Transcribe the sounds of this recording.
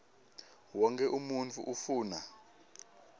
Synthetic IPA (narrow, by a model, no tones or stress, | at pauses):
wɔŋkʰɛʔumunt͡fʰuʔufuːna